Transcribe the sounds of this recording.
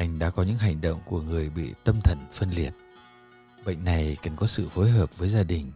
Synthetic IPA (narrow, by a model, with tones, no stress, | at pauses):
ʔa˧jŋ̟ɗa̰ː˧˥kɔ˨˦ɲɨ̰˧˥ŋɦa˨˩jŋ̟ɗo̰˧˨wŋ͡mku˧˩əŋɨ˨˩əjɓḭ˧˨t̪ə˧mt̪ʰə˨˩nfə˧nli˨˩ət̚ | ɓə̰˧˨jŋ̟na˨˩jkə˨˩nkɔ˨˦sɨ̰˧˨fo˨˦jɦəː˨˩p̚vəː˨˦jzaː˧ɗï˨˩ŋ̟